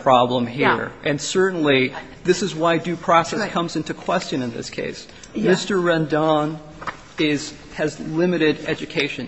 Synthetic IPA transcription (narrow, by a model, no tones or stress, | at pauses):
pʰɹ̥ɑblə̃mɦiɹʔɨ̃nsɜ˞ʔn̩li | ðɪsɨzwaɪdʉpʰɹ̥ɔsɛskʰʌ̃mzɪ̃ntukʰw̥ɛst͡ʃɨ̃nɨ̃nðɪ̰skʰḛɪs | mɪstə˞ɹɛ̃ndɑ̃n | ɪz̥ | ɨzlɪ̃mɨɾɪɾɛd͡ʒɨkʰeɪʃɨ̃n